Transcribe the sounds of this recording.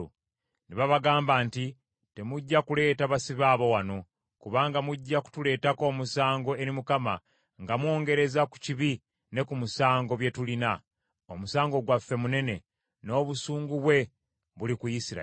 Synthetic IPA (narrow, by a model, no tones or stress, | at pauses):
u | niβaβaɡaːmbaːnti | te̞muɟːakule̞ːtaβasiβaːβo̞wano̞ | kuβaːŋɡamuɟːaku̥tule̞ːtako̞ːmusaːŋɡo̞e̞ɾimukama | ŋɡamwo̞ːŋɡe̞ɾe̞zaku̥ciβi | ne̞kumusaːŋɡo̞βje̞tulina | omusaːŋɡo̞ɡwafːe̞mune̞ne̞ | no̞ːβusuːŋɡuβwe̞ | βulikujisiɾa̰